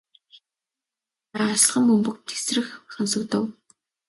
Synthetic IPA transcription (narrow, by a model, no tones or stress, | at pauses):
aasɮʁə̆mːɵmpɵ̆k̚t̪ʰe̥srɘ̆xχănsə̆kt̪ə̆w